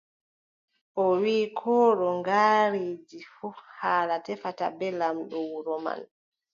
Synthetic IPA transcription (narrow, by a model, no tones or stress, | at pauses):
ʔɔwiːkʰɔːɗɔŋɡaːɾiːd͡ʒifuhaːlatɛfata̰bɛlamɗɔwuɾɔma̰n